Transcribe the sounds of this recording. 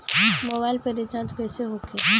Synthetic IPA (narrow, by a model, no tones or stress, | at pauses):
moːbaːɪlpeɾit͡ʃãːt͡ʃkɛːseɦokʰeː